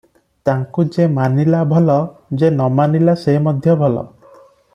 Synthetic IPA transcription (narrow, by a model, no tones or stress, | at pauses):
t̪aŋkud͡ʒemanilabʱɔlɔd͡ʒenɔmanilaseɦimɔd̪ʱjɔbʱɔlɔ̰